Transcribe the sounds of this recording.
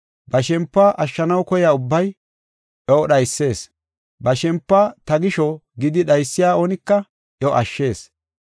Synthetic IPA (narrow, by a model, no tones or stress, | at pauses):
bɐʃɛmpːaːʔɐʃːɐnɐwkɔjaːʊbːɐj | ʔɛɔɗɐjsːe̞ːs | bɐʃɛmpːat̪ɐɡɪʃɔɡɪd̪ɪɗɐjsːɪjaːoːnɪkːɐ | jɔʔɐʃːe̞ːs